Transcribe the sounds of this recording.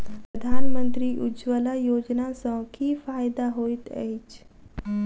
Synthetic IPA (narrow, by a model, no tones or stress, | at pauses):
pɾəd̪ʱaːnmənt̪ɾiːʔud͡ʒʋəlajod͡ʑnasɔ̃kiːfajd̪aɦojt̪ɛ̰it͡ʃ